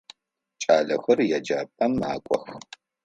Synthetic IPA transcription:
t͡ʃʼaːɮɐxɐrjɛd͡ʒaːpʼɐmaːkʷʼɔ̰x

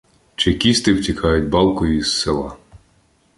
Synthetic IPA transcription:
t͡ʃɪkʲist̪ɪwtʲikʰɑjʊtʲbɑlˠkʊjʊisːelˠɑ

